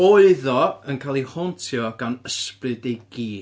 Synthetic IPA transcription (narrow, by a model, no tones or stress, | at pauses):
oɨðɔənkʰaːlˠihɔntʰjɔɡ̥anəsprɨdejɡiː